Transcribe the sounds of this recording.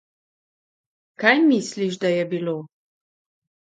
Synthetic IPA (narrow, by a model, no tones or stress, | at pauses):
kajmisliʃ̬d̪ajabilo